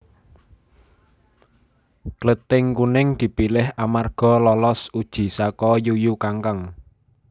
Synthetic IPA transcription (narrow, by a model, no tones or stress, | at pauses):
klət̪ɪŋkunɪŋd̪̥i̤pilɪhʔamarɡ̥ɔ̤lɔlɔsud̥ʒ̥i̤sakɔjujukaŋkəŋ